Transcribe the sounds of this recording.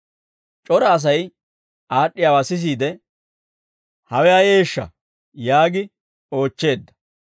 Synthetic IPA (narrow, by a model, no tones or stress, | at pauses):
t͡ʃʼɔɾɐːs̬ɐj | aːɗːɪjaːwaːsɪs̬iːd̪ɛ | hɐwɛɐje̞ːʃːɐ̰ | jaːɡɪ | o̞ːt͡ʃːe̞ːd̪ːɐ̥